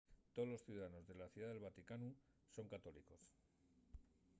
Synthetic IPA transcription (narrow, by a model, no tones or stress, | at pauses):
t̪oolo̞sθjuðaðano̞zðe̞laθjuðaðe̞lβat̪ikanu | so̞ŋkat̪o̞liko̞s